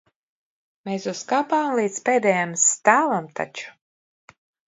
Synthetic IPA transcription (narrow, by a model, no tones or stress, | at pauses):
mesuskapaːmlˠiːt̪speːd̪ɛjamst̪aːlamt̪ʰa̰t͡ʃu̥